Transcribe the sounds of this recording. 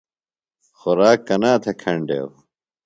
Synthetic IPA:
xoɾaːkːɐnaːt̪ʰekʰɐɳɖḛw

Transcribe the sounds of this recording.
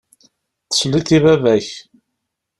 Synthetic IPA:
θə̥sliθivævæç

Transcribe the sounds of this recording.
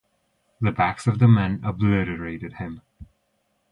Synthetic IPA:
ðɨbæksʌvðəmɛ̃nəblɪɾəɹeɪɾɨd̥̚ɪ̃m

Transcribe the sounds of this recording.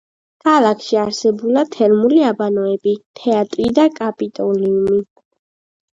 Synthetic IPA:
kʰalˠakʰʃiaɾsɛbulˠat̪ʰɛɾmuliabanɔɛbit̪ʰɛat̪ʼɾid̪akʼapʼit̪ʼɔliumi

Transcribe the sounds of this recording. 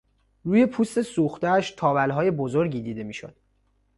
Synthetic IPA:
ruːje̞pʰuːst̪e̞suːxt̪ææʃt̪ʰɒːvælɦɒːje̞bo̞zoɾɟiːd̪iːd̪e̞miːʃo̰d̪̥

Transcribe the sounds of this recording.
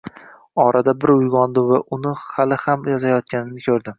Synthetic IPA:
ɒɾʔad̪abɪɾʊjʁɒnd̪ɪvaʔʊnɪhalɪhamjɒzajɒt̪̚kʲʰanɪnɪkʲʰɵɾd̪ɪ

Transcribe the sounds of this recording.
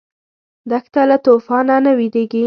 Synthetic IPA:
d̪akt̪alat̪ofɑnanawid̪eɡi

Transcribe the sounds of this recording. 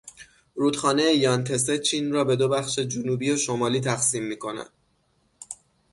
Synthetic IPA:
ɾuːd̪xɒːnejejɒnt̪ʰe̞set͡ʃʰiːnrɒːbe̞d̪o̞bæxʃe̞d͡ʒunuːbiːoʃo̞mɒːliːt̪ʰæxsiːmːiːkʰo̞næ̰d̪̥

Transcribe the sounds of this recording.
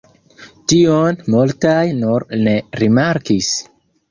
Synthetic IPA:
tionmultajnuɾne̞ɾimaɾkis

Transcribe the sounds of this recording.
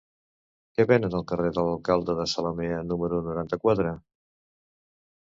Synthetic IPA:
kɛβɛnənəlˠkəreðələlˠkalˠd̪əðəsələmeənuməɾunuɾant̪əkwat̪ɾə

